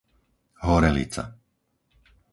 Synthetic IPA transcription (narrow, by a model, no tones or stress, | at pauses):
ɦɔɾɛlḭt͡sa̰